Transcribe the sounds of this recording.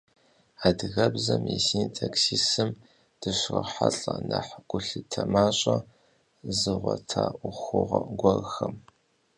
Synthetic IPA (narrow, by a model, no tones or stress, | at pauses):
adɨɣɐbzɐmisintʰaksiːsɨm | d̥ɨɕrɐħaɬʼɐnɐħɡ̥ʷʼʊɬɨtʰɐmaːɕʼɐ | zɨʁʷtʰaːʔʷʊxʷʊʁɐɡʷɔrxɐm